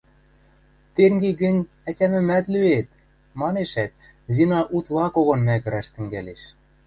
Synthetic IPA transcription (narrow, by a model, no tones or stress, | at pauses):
t̪eŋɡeɡɘ̆nʲ | ætʲæmɘ̆mæt̪lyet̪ | mɑneʃæt̪̚ | zinɑʔut̪lˠɑkoɣonmækə̆ɾæʃt̪ɘ̆ŋɡæleʃ